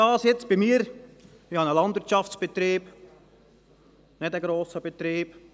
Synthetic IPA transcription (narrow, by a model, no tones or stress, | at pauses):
ɑːsjɛt͡sb̥imiːəɾ | ɪhɑnəlɑnd̪ʋɪəɾt͡ʃɑft͡sb̥ɛt̪ɾiːb | nɪdəɡɾoːsəbɛt̪ɾiːb̥